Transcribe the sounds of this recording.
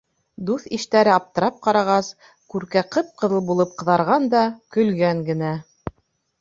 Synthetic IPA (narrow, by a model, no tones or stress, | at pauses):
d̪uθiʃt̪æɾɘɑp̚t̪ɤ̆ɾɑp̚qɑɾɑʁɑs | kʉɾkæqɤp̚qɤ̆ðɤ̆lˠbulˠɤp̚qɤ̆ðɑɾʁɑnd̪ɑkɵ̆lɡæŋɡɘ̆næ